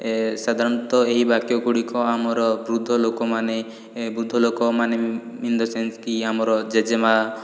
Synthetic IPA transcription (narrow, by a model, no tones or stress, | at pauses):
sad̪ʱaɾɔnt̪ɔeɦibakjɔkuɽikɔamɔɾɔbɾud̪ʱːɔlokɔmane | bɾud̪ʱːɔlokɔmane | mind̪ɔsenskiamɔɾɔd͡ʒed͡ʒema